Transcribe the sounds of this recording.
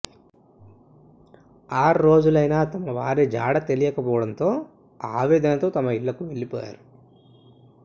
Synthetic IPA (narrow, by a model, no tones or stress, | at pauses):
aːɾɾo̞ːd͡ʒulɐjnaːt̪ɐmɐʋaːɾed͡ʒaːɽɐt̪e̞lijɐkɐpɔːʋɐɽɐnt̪o̞ː | aːʋɛːd̪ɐnɐt̪o̞ːt̪ɐmɐiɭːɐkuʋe̞ɭːipɔ̰ːja̰ːɾu